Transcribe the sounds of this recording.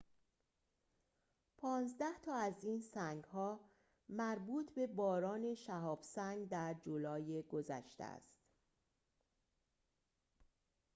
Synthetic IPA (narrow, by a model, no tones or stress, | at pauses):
pʰɒːnzd̪æht̪ʰɒːæziːnsæŋɡɦɒː | mæɾbuːt̪ʰbe̞bɒːɾɒːne̞ʃæɦɒːb̥sæŋɡd̪æɾd͡ʒolɒːjeɡo̞zæ̰ʃt̪ḛæ̰st̪